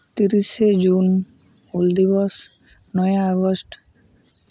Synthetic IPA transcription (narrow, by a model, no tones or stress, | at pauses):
t̪iɾiʃed͡ʑun | uld̪iβɔs | nɔjaaɡosʈ